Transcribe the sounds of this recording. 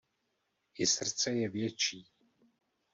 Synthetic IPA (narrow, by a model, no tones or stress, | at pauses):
jɪsr̩t͡sɛjɛvjɛt͡ʃiː